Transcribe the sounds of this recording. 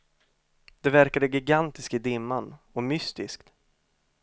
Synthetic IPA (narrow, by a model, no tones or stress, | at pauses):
d̪̥ɛvæɾkad̪əɡɪɡant̪ɪskt̪ɪd̪ɪmːan | ɔmʏst̪ɪskt̪